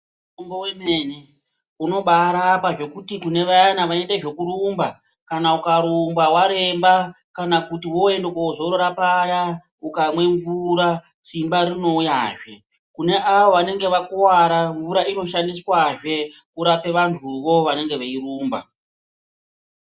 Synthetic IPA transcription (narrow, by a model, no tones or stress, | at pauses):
uutomboweme̞ne | uno̞ɓaɾapaʐe̞kutikune̞ʋaanaʋaeteʐe̞kuɾumba | kanaukaɾumbawaɾe̞mba | kanakutiwo̞e̞ndekwaʐoɾoɾapaja | ukamwe̞ɱvuɾa | simbaɾino̞jaːʐe̞ | kune̞ʔaʋo̞ʋane̞ŋɡe̞ʋakuwaɾaɱvuɾaino̞ʃandiswaʐe̞ | uɾape̞ʋantʰuʋo̞ʋane̞ŋɡe̞ʋeiɾuːmba̰